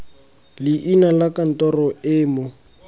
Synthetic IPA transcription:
lɪʔinalakan̩tɔrɔɪːmʊ

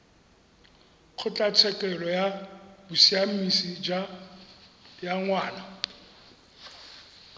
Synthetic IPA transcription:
q͡χʰʊt͡ɬʼat͡sʰɛkʼɛlɔjabʊsiamisid͡ʒa | jaŋwaːna

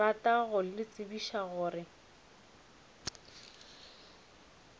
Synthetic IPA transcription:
ataɣʊlɪt͡sʼɪbiʃaɣʊːrɪ

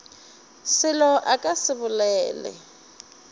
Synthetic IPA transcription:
sɪlɔʔakʼasɪbʊlɛːlɛ̰

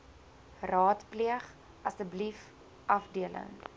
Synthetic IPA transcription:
rɑːtpliəχ | ɐsdəblif | ʔɐfdiələ̰ŋ

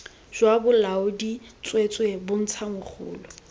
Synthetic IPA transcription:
ʒ̥wabʊlaʊdit͡sʼwet͡sʼwebʊn̩t͡sʰamʊk͡xʰʊːlʊ

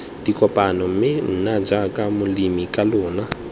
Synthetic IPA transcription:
d̥ikʼɔpʼanɔm̩mɪn̩nad͡ʒakʼamʊlimikʼalɔːna

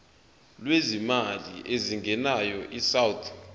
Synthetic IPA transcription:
lwezimaliʔeziŋɡʱɛnajɔʔisawt̪ʰ

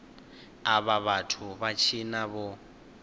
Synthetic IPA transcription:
aβaβatʰuβat͡ʃʰinaβɔ

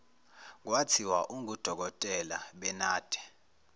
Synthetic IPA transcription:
k̬watʰiwaʔuŋud̥ʱɔk̬ɔtʼɛlaɓɛnaːd̥ʱɛ̥

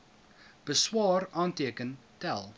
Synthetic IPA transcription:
b̥əswɑːrɑːntiəkəntælˠ

